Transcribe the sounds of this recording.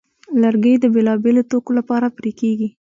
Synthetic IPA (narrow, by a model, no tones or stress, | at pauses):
laɾɡəjd̪əbelɑbelot̪okolapɑɾapɾikeɡi